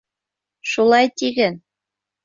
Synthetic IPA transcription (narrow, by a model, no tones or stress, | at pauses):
ʃulˠɑjt̪iɣɘ̆n